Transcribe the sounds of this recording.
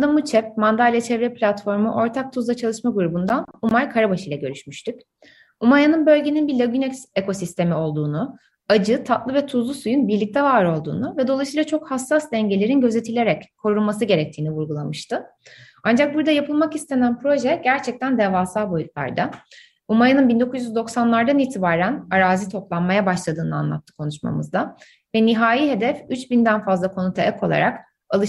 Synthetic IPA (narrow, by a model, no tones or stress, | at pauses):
d̪amut͡ʃʰɛp̚mand̪alʲjat͡ʃʰɛvɾɛplʲat̪fo̞ɾmuʔo̞ɾt̪ʰak̚t̪ʰuzˠat͡ʃʰalˠɯʃmaɡuɾubund̪anumaɾkʰaɾabaʃɯjlˠa̰ɟø̞ɾyʃmyʃt̪yc | umajanɯnbø̞lʲɟe̞ninbiɾlʲaɡynɛksekʰo̞sist̪ʰemio̞lˠd̪uːnu | ad͡ʒɯt̪ʰat̪lˠɯvɛt̪ʰuzlˠusujunbiɾlʲic̚t̪ʰɛvaːɾo̞lˠd̪ṵːnuvɛd̪oasɯjlˠat͡ʃʰo̞khasːasd̪ɛɲɟe̞lʲe̞ɾinɟø̞ze̞t̪ʰilʲe̞ɾɛckʰːo̞ɾulˠmasɯɟe̞ɾɛc̚t̪ʰiːnivuɾɡulˠamɯʃt̪ʰɯ | and͡ʒak̚buɾd̪ajapʰɯlˠmakist̪ʰe̞nænpɾo̞ʒɛɟæɾt͡ʃʰɛc̚t̪ʰænd̪ɛvaːsalˠbo̞jut̪̚lˠa̰ɾd̪a | umaɾɯnɯnbind̪o̞kʰuzjyzd̪o̞ksanlˠaɾd̪aniːt̪ʰibaːɾænaɾaːzit̪ʰo̞plˠanmajabaʃlˠad̪ɯːnɯa̰nlˠa̰t̪ːɯ̥kʰo̞nuʃma̰mɯ̰zd̪a | vɛniɦaːjiɦe̞d̪ɛfyt͡ʃbind̪ænfazlˠakʰo̞nut̪ʰaʔɛkʰo̞lˠa̰ɾak | alˠɯ